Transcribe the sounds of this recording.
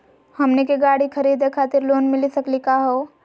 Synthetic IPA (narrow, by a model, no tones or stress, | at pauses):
hɐmnekeɡaːɽikʰəɾiːd̪ekʰaːt̪ɪɾloːnmɪlisɐklikaɦoː